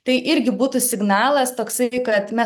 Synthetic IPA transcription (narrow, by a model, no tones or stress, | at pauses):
t̪ɐɪʔɪɾʲɡʲɪbuːt̪usʲɪɡnɑːlˠɐst̪oːksɐkɐt̪mʲɛ